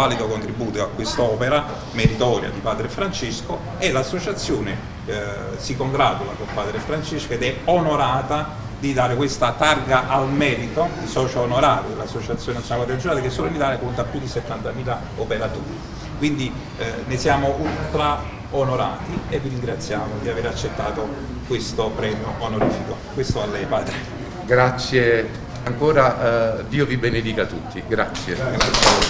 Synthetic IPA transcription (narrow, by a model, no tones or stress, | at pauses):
aːlid̪okont̪ɾibuːt̪oakːwest̪aɔːpeɾa | meɾit̪ɔːɾja̰d̪ipaːd̪ɾefɾant͡ʃesko | elasːot͡ʃat̪sːjoːne | sikoŋɡɾaːt̪ula̰kolpaːd̪ɾefɾant͡ʃeskoed̪ɛonoɾaːt̪a | d̪id̪aːɾekwest̪at̪arɡaʔalmɛːɾit̪oisɔːt͡ʃaonoɾaːɾod̪elasːot͡ʃat̪sːjonent̪sjnalpːat̪ead̪d͡ʒonaːlekesːoːloinit̪aːljakont̪apːjud̪iset̪ːant̪amiːla | opeɾat̪oːɾi | kwind̪i | nesjaːmoʔunt̪ɾa | onoɾa̰ːt̪ievːiɾiŋɡɾat̪sːjaːmod̪iaveːɾat͡ʃːet̪ːa̰ːt̪o | kwest̪opɾɛːmjoʔːnoɾiːfiko | kwest̪oalːɛjpaːd̪ɾe | ɡɾat̪sːje | aŋkoːɾad̪iːovibened̪iːkat̪ut̪ːiɡɾa̰t̪sːjeɡɾat̪sːje